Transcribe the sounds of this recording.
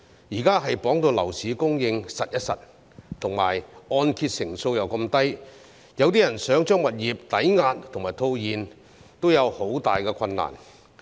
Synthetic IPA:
jiː˨˩kaː˥ɦɐ˨jpɔː˨˥ŋt̪o˧wlɐ˨˩wsiː˨˥kʊ˥ŋjɪ˧ŋsɐ˨t̚jɐ˥t̚sɐ̰˨t̚ | t̪ʰʊ˨˩ŋma̰ː˨˩jɔː˧nkʰiː˧t̚sɪ˨˩ŋso˧wjɐ˨wkɐ˧mt̪ɐ˥j | jɐ˨˧wt̪iː˥jɐ˨˩nsœː˨˥ŋt͡ʃœː˥ŋwɐ˨t̚jiː˨p̚t̪ɐ˨˥jŋaː˧t̪̚ʰʊ˨ŋmaː˨˩jt̪ʰo˧wjiː˨n | t̪o˥wjɐ˨˧who˨˥wt̪aː˨jkɛː˧kʷʰɐ˧nːa̰ː˨˩n

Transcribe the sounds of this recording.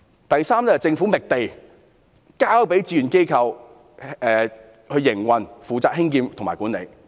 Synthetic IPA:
t̪ɐ˨jsaː˥mnɛ˥ɐ˨t͡sɪ˧ŋfu˨˥mɪ˨k̚t̪e˨j | kaː˥wpe˨˥jt͡sii˧˩y˨˩nke˥jkʰɐ˧w | ɛː˨ | hɵ˧ɥjɪ˨˩ŋwɐ˨nfuː˨t͡saː˧k̚hɪ˥ŋkiː˧mt̪o˨˩ŋmaː˨˩jkuː˨˥nḛ˨˧j

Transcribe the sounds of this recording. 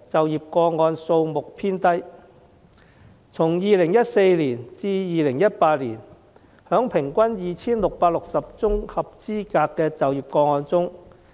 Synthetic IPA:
t͡sɐ˨wjiː˨p̚kɔː˧ŋɔː˧nso˧wmʊ˨k̚pʰiː˥nt̪ɐ˥j | t͡sʰʊ˨˩ŋjiː˨lɪ˨˩ŋjɐ˥t̚se˧jliː˨˩nt͡siː˧jiː˨lɪ˨˩ŋjɐ˥t̚paː˧t̚liː˨˩n | hœː˨˥ŋpʰɪ˨˩ŋkʷɐ˥njiː˨˩t͡sʰiː˥nlʊ˨k̚paː˧t̚lʊ˨k̚sɐ˨p̚t͡sʊ˥ŋhɐ˨p̚t͡siː˥kaː˧kːɛː˧t͡sɐ˨wjiː˨p̚kɔː˧ŋɔː˧nt͡sʊ˥ŋ

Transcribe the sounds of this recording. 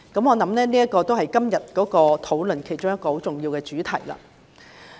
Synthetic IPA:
kɐ˨˥mŋɔː˨˧nɐ˨˥mnɛː˥niː˥ɐ˥t̚kɔː˧t̪o˥whɐ˨jkɐ˥mjɐ˨t̚kɔː˨˥kɔː˧t̪ʰo˨˥wlɵ˨˩nkʰe˨˩jt͡ʃʊ˥ŋjɐ˥tkːɔː˧ho˨˥wt͡sʊ˨ŋjiː˧wkɛː˧t͡ʃyː˨˥t̪ʰɐ˨˩jlɐ̰ː˧

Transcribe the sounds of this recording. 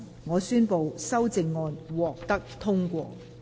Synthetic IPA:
ŋɔː˨˧syː˥npo˨wsɐ˥wt͡sɪ˨ŋːɔː˧nwɔː˨k̚t̪ɐ˥k̚t̪ʰʊ˥ŋkʷɔ̰ː˧

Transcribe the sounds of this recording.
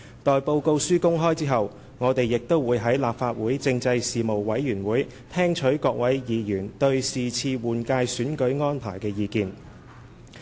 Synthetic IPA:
t̪ɔː˨jpo˧wko˧wsyː˥kʊ˥ŋɦɔː˥jt͡siː˥ɦɐ˨w | ŋɔː˨˧t̪e˨jːɪ˨k̚t̪o˥wwuː˨˧jɦɐ˨˥jlaː˨p̚faː˧t̚wuː˨˥jt͡sɪ˧ŋt͡sɐ˧jsiː˨mo˨wwɐ˨˥jːyː˨˩nwuː˨˥j | t̪ʰɛː˥ŋt͡ʃʰɵ˨˥kɔː˧k̚wɐ˨˥jjiː˨˧jyː˨˩nt̪ɵ˧ɥsiː˨t͡sʰiː˧wuː˨˩nkaː˧jsyː˨˥nkɵ˨˥ɥŋɔː˥npʰa̰ː˨˩jkɛː˧jiː˨˧kiː˧n

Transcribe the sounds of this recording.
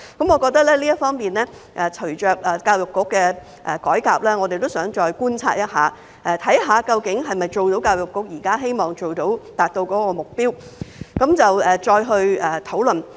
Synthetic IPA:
kɐ˨˥mŋɔ˨˧kɔː˧k̚t̪ɐ˥k̚lɛː˥liː˥jt̚fɔː˥ŋmiː˨nlɛː˥ | ʔɛː˨t͡ʃʰɵ˨˩t͡ʃœː˨k̚ɛ˨kaː˧wjʊ˨kːʊ˥kːɛː˧ | ʔɛː˨˩kɔː˨˥jkaː˨p̚lɛː˥ŋɔ˨˧d̪e˨jt̪o˥wsœː˨˥ŋt͡ʃɔː˧jkuː˥nt͡sʰa̰ː˧t̚jɐ˥t̚ɦaː˨˦ | ʔɛ˨˧t̪ʰɐ˨˥jɦaː˨˧kɐ˧wkɪ˨˥ŋɦɐ˨jmɐ˨jt͡so˨wt̪o˨˥wkaː˧wjʊ˨kːʊ˨˥k̚jiː˨˩kaː˥ɦe˥jmɔː˨ŋt͡ʃo˨wt̪o˨˥wt̪aː˨t̚t̪o˧wkɔː˨˥kɔː˧mʊ˨k̚piː˥wkɐ˨˥mt͡sɐ˨wɛː˨˩t͡sɔː˧jɦɵ˧ɥɛː˨˩t̪ʰo˨˥wlɵ˨n

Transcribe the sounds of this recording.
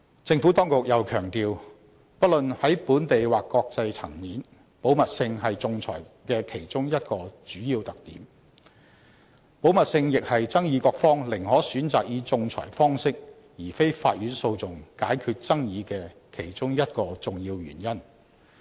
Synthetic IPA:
t͡sɪ˧ŋfuː˨˥t̪ɔː˥ŋkʊ˨k̚jɐ˨˧wkʰœː˨˩ŋt̪iː˨w | pɐ˥t̚lɵ˨nhɐ˨˥jpuː˨˥nt̪e˨jwaː˨kːɔː˧k̚t͡sɐ˧jt͡sʰɐ˨˩ŋniː˨˥n | po˨˥wmɐ˨t̚sɪ˧ŋɦɐ˨jt͡sʊ˨ŋt͡sʰɔ̰ː˨˩jkɛː˧kʰe˨˩jt͡sʊ˥ŋjɐ˥t̚kɔː˧t͡ʃyː˨˥jiː˧wt̪ɐ˨k̚t̪ḭː˨˥m | po˨˥wmɐ˨t̚sɪ˧ŋjɪ˨k̚hɐ˨jt͡sɐ˥ŋjiː˧kɔː˧k̚fɔː˥ŋlɪ˨˩ŋhɔː˨˥syː˨˥nt͡saː˨k̚jiː˨˧˥t͡sʊ˨ŋt͡sʰɔ̰ː˨˩jfɔː˥ŋsɪ˥k̚ | jiː˨˩fe˥jfa̰ː˧t̚jyː˨˥nso˧wt͡sʊ˨˩ŋkaː˨˥jkʰyː˧t̚t͡sɐ˥ŋjiː˨˧kɛː˧kʰe˨˩jt͡sʊ˥ŋjɐ˥t̚kɔː˧t͡sʊ˨ŋjiː˧wjy̰ː˨˩njɐ˥n

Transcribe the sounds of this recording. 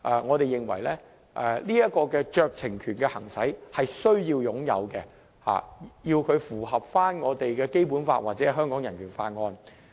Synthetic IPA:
ʔɛː˨ŋɔː˨˧t̪e˨jɪ˨ŋwɐ̰˨˩jlɛː˥ | ʔɛ˨liː˥jɐ˥t̚kɔː˧kɛː˧t͡ʃœː˨k̚t͡sʰɪ˨˩ŋkʰyː˨˩nkɛ˧hɐ˨˩ŋsɐ˨˥jhɐ˨jsɵ˥ɥjiː˧wjʊ˨˥ŋjɐ̰˨˧wkɛ˧ | ha̰ː˨˩jiː˧wkʰɵ˨˧ɥfuː˨˩ɦɐ˨p̚faː˥nŋɔː˨˧t̪e˨jkɛː˧ke˥jpuː˨˥nfa̰ː˧t̚waː˨t̚t͡sɛː˨˥˩ɦœː˥ŋkɔː˨˥ŋjɐ˨˩nkʰyː˨˩nfaː˧nŋɔː˧n

